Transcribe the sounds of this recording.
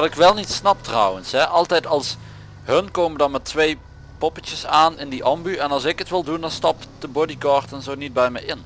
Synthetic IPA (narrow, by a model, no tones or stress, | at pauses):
ɑrɪkʋɛlˠnitsnɑptrɑ̰wənsɦɛʔɑlˠtɛjtɑlˠs | ɦənkowməndɑnmɛtʋej | pɔpət͡ʃəsaːnɪndiʔɑmbyɛnɑlˠsɪkətʋɪlˠdundɑnstɑpd̥əbɔdikɑːɹtənzownid̚bɛjmɛjɪn